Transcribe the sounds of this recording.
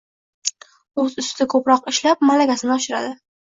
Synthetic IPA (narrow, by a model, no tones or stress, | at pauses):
ɵzʊst̪ɪkʰɵpɾɒqɪʃlap̚malaɡʲasɪnɪɒʃɪɾa̰d̪ɪ